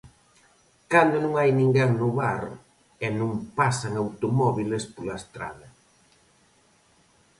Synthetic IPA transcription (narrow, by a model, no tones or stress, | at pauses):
kand̪ʊnũŋajnĩŋɡaŋnʊβaɾ | ɛnũŋpasaŋawt̪omɔβilespolaest̪ɾa̰ðɐ